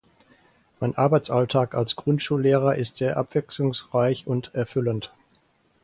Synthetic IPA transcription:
maɪnʔaɐbaɪt͡sʔaltʰaːkalsɡ̥ʁʊntʃuːlːeːʁ̞ɐʔɪstz̥eːɐʔa̰pv̥ɛkslʊŋsʁ̥aɪçʊntɛɐfʏlənt

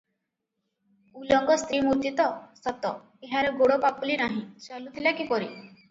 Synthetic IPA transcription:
ulɔŋɡɔst̪ɾimuɾt̪it̪ɔsat̪ɔ | eɦaɾeɡoɽɔpapulinaɦĩt͡ʃalut̪ʰilakipɔɾi

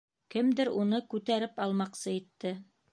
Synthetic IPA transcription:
kɘmd̪ɘɾunɤkʉt̪æɾɘpɑlˠmɑqsɤit̪ːɘ

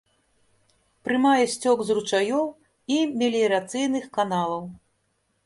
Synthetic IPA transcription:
pɾɨmajɛsʲt͡sʲɔɡzrut͡ʂajɔw | imʲɛlʲiɾat̪sɨjnɨxkanalˠɐw

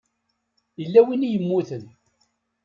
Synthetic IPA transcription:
jəlːæwinijəmːuθən

